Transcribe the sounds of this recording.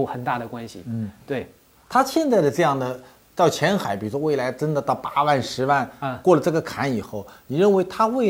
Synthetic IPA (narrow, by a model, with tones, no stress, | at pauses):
xə˨˩nt̪a˥˩d̪ə˩kwa˥nɕḭ˨n̩˥˩t̪we˥˩ɪ | t̪ʰa˥ɕjɛ˥˧nt͡sa˥˩ɪd̪ə˩ʈ͡ʂɤ˥˧jɑ˥˩ŋd̪ə˩ | t̪ɑ˥˩ʊt͡ɕʰjɛ˧˥nxa˨˧˥ɪpi˨˩˥ɔ˥we˥˩ɪla˧˥ɪʈ͡ʂə˥nd̪ə˨˧t̪ɑ˥˩ʊpa˥wa˥˩nʂɻ̩˧˥wa˥˩˧n˧kwɔ˥˩lə˩ʈ͡ʂɤ˥˩ɡə˩kʰa˧˥ni˨˩xo˥˩ʊni˨˩ɻə˥˩nwe˧˥ɪt̪ʰa˥we˥˩ɪ